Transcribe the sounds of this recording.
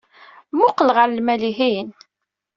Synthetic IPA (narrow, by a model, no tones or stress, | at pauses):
mʊqləʁəɾlmæliɦin